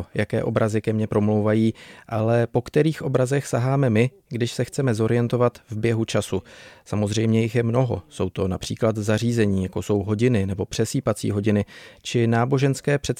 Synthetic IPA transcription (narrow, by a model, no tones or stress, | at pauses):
jakɛ̰ːʔo̞bɾʔazɪkɛmɲɛpɾo̞mlowvajiːʔalɛpo̞kt̪ɛɾiːxʔo̞bɾazɛxsaɦaːmɛmɪ | ɡdɪʃsɛxt͡sɛmɛzo̞ɾɪjɛnt̪o̞vat̪vbjɛɦut͡ʃasusamo̞zr̝ɛjmɲɛjɪxjɛmno̞ɦo̞̰so̞wt̪o̞napr̥iːklat̪zar̝iːzɛɲiːjakoso̞wɦo̞ɟɪnɪnɛbo̞pr̝̥ɛsiːpat͡sḭːɦo̞ɟɪnɪt͡ʃɪnaːbo̞ʒɛnskɛːpr̥ɛt̪